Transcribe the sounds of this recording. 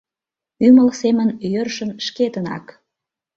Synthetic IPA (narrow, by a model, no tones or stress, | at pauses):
yməlsemənjørʃə̆nʃket̪ənɑ̰k